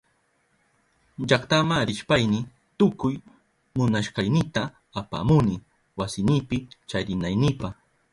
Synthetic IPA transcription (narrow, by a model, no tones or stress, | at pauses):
ʎɑkt̪amaɾɪʃpajnɪ | t̪ʊkʊj | mʊnaʃɢɑjnɪt̪aː | pa̰ːmʊnɪ | wasɪnɪpɪt͡ʃaɾɪnajnɪpɑχ